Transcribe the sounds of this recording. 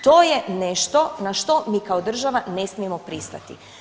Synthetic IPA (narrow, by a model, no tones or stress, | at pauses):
t̪o̞ːjeneʃt̪o̞naʃt̪o̞miːkaod̪r̩ʒaʋane̞smiemo̞pɾist̪a̰t̪ḭ